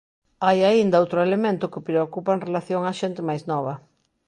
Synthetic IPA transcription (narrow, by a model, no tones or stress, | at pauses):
ajaind̪ɐowt̪ɾʊelemẽnt̪ʊkɪpɾeokupɐẽŋrelaθjoŋaʃent̪ɪmajznɔβɐ